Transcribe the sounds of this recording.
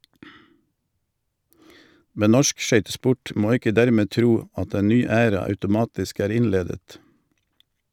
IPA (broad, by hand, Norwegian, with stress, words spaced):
ˈmɛn ˈnɔʃk ˈʃœʏtəˌspʊʈ ˈmoː ˈɪkə ˈdæɾˌmeː ˈtɾuː ˈɑt ˈeːn ˈnyː ˈæːɾɑ ɑʉtʊˈmɑːtɪsk ˈæːʁ ˈɪnˌleːdət